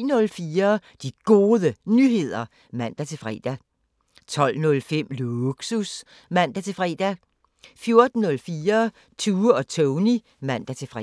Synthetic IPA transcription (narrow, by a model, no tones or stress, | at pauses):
nɔ̽lfiːɐd̥iɡ̥o̝ːðˠənyɦe̝ð̞̰ˠɐ | mæn̰d̥æt͡sʰe̝fʁɛ̰ːd̥æ | t͡sʰɒ̽l̰nɔ̽lfem̰luɡ̥sus | mæn̰d̥æt͡sʰe̝fʁɛ̰ːd̥æ | fjo̝ɐd̥n̩ːɔ̽lfiːɐ | t͡sʰuːɒ̽t͡sʰɔʊni | mæn̰d̥æt͡sʰe̝fʁ